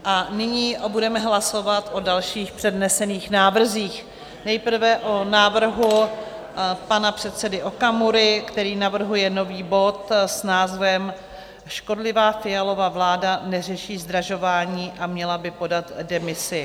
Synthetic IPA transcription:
ʔanɪɲiːbudɛmɛɦlaso̞vat̪ʔo̞dalʃiːxpr̝̥ɛdnɛsɛniːxnaːvr̩ziːx | nɛjpr̩vɛʔonaːvr̩ɦu | panapr̝̥ɛt̪sɛdɪʔo̞kamuɾɪkt̪ɛɾiːnavr̩ɦujɛno̞viːbo̞t̪snaːzvɛm | ʃko̞dlɪvaːfɪjalo̞vavlaːdanɛr̝ɛʃiːzd̪ɾaʒo̞vaːɲiːʔamɲɛlabɪpo̞dat̪dɛmɪsɪ

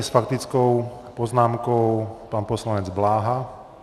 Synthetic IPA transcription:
sfakt̪it͡skɔʊpɔznaːmkɔʊpaːnpɔslaɲɛd͡zblaːɦa

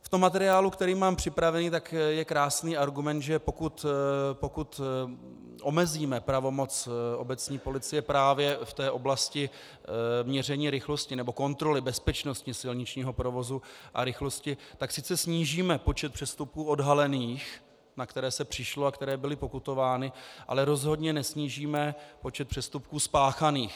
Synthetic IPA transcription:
ft̪omːat̪ɛɾɪaːlukt̪ɛɾiːmːaːmpr̝̥ɪpɾavɛniːt̪akjɛkɾaːsniːʔaɾɡumɛnt̪ʒɛpo̞kut̪po̞kut̪ | ʔomɛziːmɛpɾavo̞mo̞t͡sʔo̞bɛt͡sɲiːpo̞lɪt͡sɪjɛpɾaːvjɛft̪ɛːʔo̞blascɪ | mɲɛr̝ɛɲiːɾɪxlo̞scɪnɛbo̞ko̞nt̪ɾo̞lɪbɛspɛt͡ʃno̞scɪsɪlɲɪt͡ʃɲiːɦo̞pɾovo̞zuʔa̰ɾɪxlo̞scɪt̪aksɪt͡sɛsɲiːʒiːmɛpo̞t͡ʃɛt̪̚pr̥ɛst̪up̚kuːodɦalɛniːx | nakt̪ɛɾɛːsɛpr̝̥ɪʃloakt̪ɛɾɛːbɪlɪpo̞kut̪o̞vaːnɪʔa̰lɛɾo̞zɦo̞dɲɛnɛsɲiːʒiːmɛpo̞t͡ʃɛt̪̚pr̥ɛst̪up̚kuːspaːxaniːx

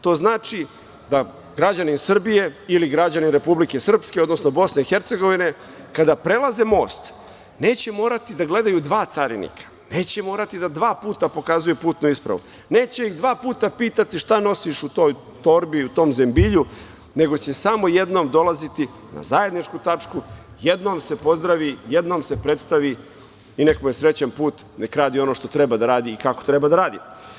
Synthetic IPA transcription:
t̪o̞ːznaːt͡ʃi | d̪a | ɡɾad͡ʑaninsr̩bije̞iliɡɾad͡ʑaninɾe̞publike̞sr̩pske̞od̪no̞sno̞bo̞sneixe̞ɾt̪seɡo̞ʋine̞ | kad̪apɾe̞lˠaze̞mo̞ːst̪ | ne̞ːt͡ɕemo̞ːɾat̪id̪aɡle̞d̪ajud̪ʋaːt̪saɾḭnḭkʰḁ | ne̞ːt͡ɕemo̞ːɾat̪id̪ad̪ʋaːpuːt̪apo̞kazujepuːt̪nuispɾa̰ʋṵ | ne̞ːt͡ɕeiɣd̪ʋaːpuːt̪apiːt̪at̪iʃt̪ano̞siʃut̪o̞ːj | t̪o̞ɾbiut̪o̞ːmze̞mbiʎu | ne̞ɡo̞t͡ɕe̞samo̞jed̪no̞md̪o̞lazit̪i | na̰zaje̞d̪nit͡ʃkut̪at͡ʂku | jed̪no̞ːmse̞po̞zd̪ɾaʋijed̪no̞ːmse̞pɾe̞t̪st̪aʋi | ine̞kmujesɾe̞t͡ɕanpuːt̪nekɾaːd̪io̞noʃt̪o̞t̪ɾe̞bad̪aɾaːd̪iːkako̞̥t̪ɾe̞bad̪aɾaːd̪ḭ

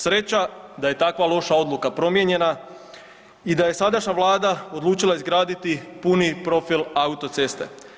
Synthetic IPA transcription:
sɾe̞t͡ɕad̪aje̞t̪akʋalˠo̞ʃao̞d̪lukapɾo̞mjeɲe̞na | id̪aje̞sad̪aʃɲaʋlˠaːd̪ao̞d̪lˠuːt͡ʃilˠaizɡɾaːd̪it̪ipunipɾo̞filaut̪o̞t̪se̞st̪e̞̰

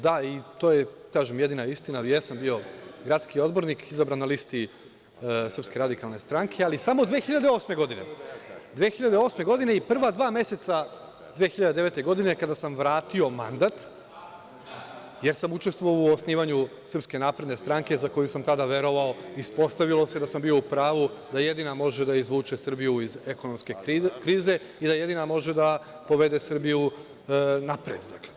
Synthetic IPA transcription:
d̪ait̪oːjekaːʒemjed̪inaist̪inajesambio̞ɡɾat̪skio̞d̪bo̞ɾnikʰizabɾanːalist̪i | sɾrpske̞ɾad̪ikalˠne̞st̪ɾaŋkʰe̞alisamo̞d̪ʋeːxiʎad̪eo̞ːsme̞ɡo̞d̪ine̞̰d̪ʋeːxiʎad̪e̞o̞sme̞ɡo̞d̪ineipr̩ʋad̪ʋaːme̞se̞t̪sa | d̪ʋeːxiʎad̪ed̪eʋe̞t̪e̞ɡo̞d̪inekad̪asamʋɾaːt̪io̞mand̪at̪ | je̞ɾsamut͡ʃe̞st̪ʋoauosniːʋaɲu | sr̩pske̞naːpɾe̞d̪ne̞st̪ɾaŋke̞zako̞jusamt̪ad̪aʋe̞ɾo̞ʋao̞ispo̞st̪aʋilo̞se̞d̪asambio̞upɾaːʋud̪aje̞d̪inamo̞ʒed̪aizʋuːt͡ʃesr̩bijuizeko̞no̞mske̞kɾiːze̞ | id̪aje̞d̪inamo̞ʒe̞d̪a | po̞ʋe̞d̪e̞sr̩biju | napɾḛd̪d̪aɡ

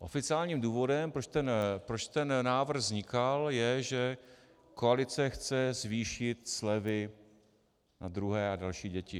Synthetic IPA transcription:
ʔo̞̰fɪt͡sɪaːlɲiːmduːvo̞dɛmpɾot̪ɛnpɾot͡ʃt̪ɛnnaːvr̩ɣzɲɪkaljɛʒɛ | koalɪt͡sɛxt͡sɛzviːʃɪt̪slɛvɪ | na̰d̪ɾuɦɛːadalʃiːɟɛcɪ

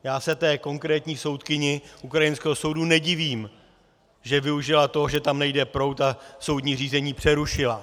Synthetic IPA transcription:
jaːsɛt̪ɛːko̞ŋkɾɛːt̪ɲiːso̞wt̪kɪɲɪʔukɾajɪnskɛːɦoso̞wdunɛɟɪviːm | ʒɛvɪuʒɪlat̪o̞ʒɛt̪amnɛjdɛpɾo̞wt̪aso̞wdɲiːr̝iːzɛɲiːpr̥ɛɾuʃɪla

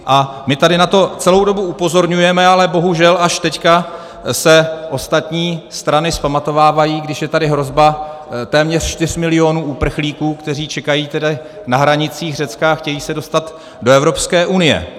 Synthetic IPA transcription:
ʔa | mɪt̪adɪnat̪o̞t͡sɛlo̞wdo̞buupozo̞ɾɲujɛmɛalɛbo̞ɦuʒɛlaʃt̪ɛcka | sɛʔo̞st̪at̪ɲiːst̪ɾanɪspamat̪o̞vaːvajiːɡdɪʃjɛt̪adɪɦɾo̞zba | t̪ɛːmɲɛr̥ʃt̪ɪr̥mɪlɪo̞nuːʔuːpr̩xliːkuːkt̪ɛr̝iːt͡ʃɛkajiːt̪ɛda | naɦɾaɲɪt͡siːxr̝ɛt͡skaaxcɛjiːsɛdo̞st̪at̪ | do̞ɛvɾo̞pskɛːʔunɪjɛ̰

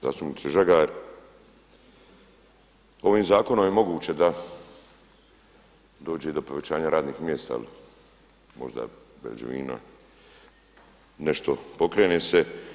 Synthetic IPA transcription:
za̰ːst̪umnit̪siʒaɡaɾ | o̞ʋiːmzaːko̞no̞mjemo̞ɡuːt͡ɕed̪a | d̪o̞ːd͡ʒe̞d̪o̞po̞ʋe̞t͡ɕaːɲaɾaːd̪niːxmjeːst̪a̰a̰li | mo̞̰ʒd̪a̰bḛd͡ʒ̰ʋḭːna̰ | neʃt̪opo̞kɾeːneːse

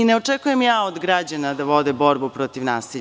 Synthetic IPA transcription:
ineo̞t͡ʂekujemjaːod̪ɡɾad͡ʑanad̪aʋo̞d̪ebo̞ɾbupɾot̪iʋnaːsi

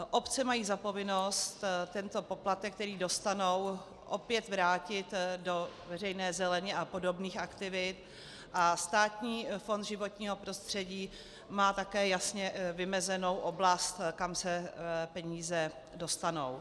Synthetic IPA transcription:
ʔo̞pt͡sɛmajiːzapo̞vɪno̞st̪t̪ɛnt̪o̞po̞plat̪ɛk̚t̪ɛɾiːdo̞st̪ano̞w | ʔopjɛt̪vɾaːcɪt̪do̞vɛr̝ɛjnɛːzɛlɛɲɛʔapo̞do̞bniːxʔakt̪ɪvɪt̪ | ʔast̪aːt̪ɲiːfond̪ʒɪvo̞t̪ɲiːɦo̞pɾo̞st̪r̝̥ɛɟiː | maːt̪akɛːjasɲɛvɪmɛzɛno̞wʔo̞blast̪kamsɛpɛɲiːzɛ | do̞st̪ano̞̰w

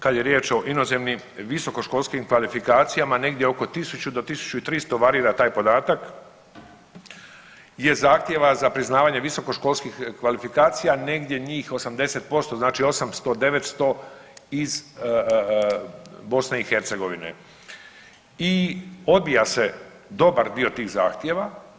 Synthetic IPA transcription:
kad̪jeɾjeːt͡ʃo̞ʔino̞zemnim | ʋiso̞ko̞ʃko̞lskimkʋalifikaːt̪sijamane̞ɡd̪jeo̞ko̞t̪isut͡ɕud̪o̞t̪isu̥t͡ɕuit̪ɾist̪o̞ʋaɾiːɾat̪aːjpo̞d̪aːt̪ak | je̞zaːxt̪je̞ʋazapɾiznaːʋaɲe̞ʋiso̞ko̞ʃko̞lˠskixkʋalifikaːt̪sijane̞ɡd̪ʲje̞ɲiːxo̞samd̪e̞set̪̚po̞st̪o̞znaːt͡ʃio̞samst̪o̞d̪e̞ʋet̪st̪o̞iz | bo̞sneixe̞ɾt̪se̞ɡo̞ʋinḛ | io̞d̪̚bijase̞ | d̪o̞baɾd̪io̞t̪iːɣza̰ːxt̪je̞ʋa

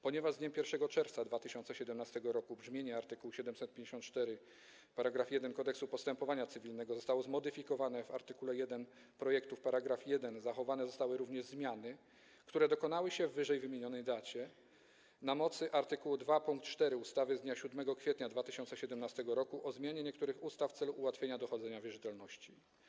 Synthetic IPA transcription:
pɔɲɛvaʐd̪ɲɛmpʲjɛɾfʂɛɡɔt͡ʂɛɾft̪sad̪vat̪ɘɕɔnt̪sɛɕɛd̪ɛmnast̪ɛɡɔɾɔkubʐmʲjeɲɛaɾt̪ɘkuwɕɛd̪ɛmsɛt̪̚pʲeɲd͡ʑeɕɔnt̪̚t͡ʂt̪ɛɾɘ | paɾaɡɾafjɛd̪ɛnkɔd̪ɛksupɔst̪ɛmpɔvaɲat̪sɘvʲilnɛɡɔzɔst̪awɔzmɔd̪ɘfʲikɔvanɛva̰ɾt̪ɘkulɛjɛd̪ɛn | pɾɔjɛkt̪ufpaɾaɡɾafjɛd̪ɛnzaxɔvanɛzɔst̪awɘɾuvɲɛʐzmʲjanɘ | kt̪uɾɛd̪ɔkɔn̪awɘɕɛvːɘʐɛjvɘmʲjeɲɔnɛjd̪at͡ɕɛ | namɔt̪sɘʔaɾt̪ɘkuwud̪vapuŋkt̪t͡ʂt̪ɛɾɘust̪avɘzd̪ɲaɕud̪mɛɡɔkfʲɛt̪ɲad̪vat̪ɘɕɔnt̪sɛɕɛd̪ɛmnast̪ɛɡɔɾɔkuʔɔzmʲjaɲɛɲɛk̚t̪uɾɘxust̪aft̪sɛluʔːwat̪fʲeɲad̪ɔxɔd̪zɛɲavʲjɛʐɘt̪ɛlnɔɕt͡ɕi

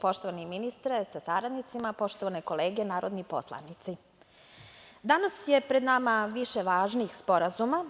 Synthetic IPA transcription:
po̞ʃt̪oʋaniminist̪ɾesasaɾad̪nit̪simapo̞ʃt̪o̞ʋaneko̞leːɡenaːɾod̪nipo̞̰slˠa̰nit̪si | d̪anasje̞pɾed̪namaʋiʃeʋaːʒniːxspo̞ɾazuma

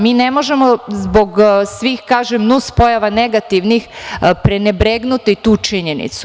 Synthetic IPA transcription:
miːnemo̞ʒemozbo̞ɡsʋixkaːʒemnuspo̞jaʋane̞ɡat̪iʋnixpɾenebɾeɡnut̪it̪uːt͡ʃiɲenḭt̪su̥

